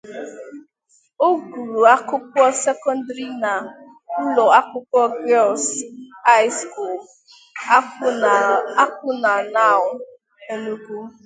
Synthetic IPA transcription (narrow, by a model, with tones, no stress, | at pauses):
o˦ɡu˨ɾu˨a˦kʊ˦kɔ˦se˦kɔ˦n˦dɾi˦na˨ | u˦lɔ˨a˦kʊ˦kɔ˦ɡɛ˦lsa˦ɪ˦sku˨l | a˦kʊ˦na˨na˦˨ʊ˨˦ | e˦nu˦ku˦